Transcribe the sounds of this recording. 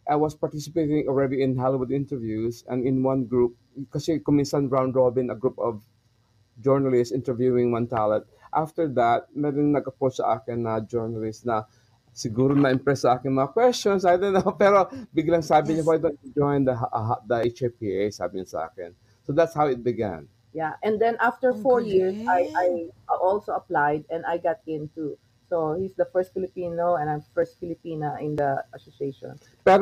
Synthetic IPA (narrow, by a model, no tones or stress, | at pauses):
ʔajwɔspaɹt̪isɪpejt̪ɪ̃ŋoɹɛdiɪ̃nɦalɪwʊd̪ɪ̃nt̪ɛɹvjusɛ̰̃nɪ̃nwãnɡɹup̚ | kɐsɛkʊmɪ̃nsãnɹãw̃nd̪ɹobɪ̃nɐɡɹupɔv | d͡ʒɔɹnɐlɪstsʔɪ̃nt̪ɛɹvjuɪ̃ŋwãnt̪alɛ̃nt̪̚ʔa̰ft̪əɹd̪at̪̚mɛɾɔŋnɐɡɐpossɐ̰ʔa̰ːkɪnːɐd͡ʒɛɹnɐlɪstnɐ | sɪɡuːɾonɐʔɪmpɹɛsːɐʔaːkɪŋmɐŋakwɛst͡ʃɔ̃nsajd̪onːopɛɾobɪɡlɐŋsaːbɪɲowajd̪ont̪̚d͡ʒojnd̪ɐɦʔɦad̪ɐʔet͡ʃepiʔejsa̰ːbɪɲasɐʔa̰ːkɪ̰n | sod̪at̪shawɪt̪̚bɪɡã̰n | jaʔɛ̃nd̪ɛ̃nʔaft̪əɹfɔɹjiɹsajʔajʔɔlsoɐplajd̪̚ɛ̃najɡat̪̚ɪ̃nt̪u | sohisd̪ɐfɛɹst̪fɪlɪpinoɛ̃nãjmfɛɹst̪fɪlɪpiːnɐʔɪ̃nd̪ɐʔasoseʃɔ̰̃n | pɛɾ